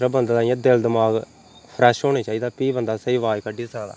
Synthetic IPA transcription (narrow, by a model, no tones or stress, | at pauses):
ɾəbənd̪d̪aːãːd̪eld̪əmaːɡ | pʰɾɛːʃɦoːniːt͡ʃaːiːd̪aːpiːbənd̪aːsəiːʋaːjkəɖiːsaːd̪a̰ː